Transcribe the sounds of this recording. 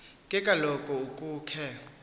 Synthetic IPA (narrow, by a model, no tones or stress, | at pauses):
kʼɛkʼalɔkʼɔukʼuːkʰɛ